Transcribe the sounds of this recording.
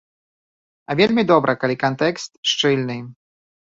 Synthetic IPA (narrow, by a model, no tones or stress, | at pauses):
ɐvʲelʲmʲid̪ɔbɾʔɐkalʲikant̪ɛkst̪ʂt͡ʂɨlʲnɨ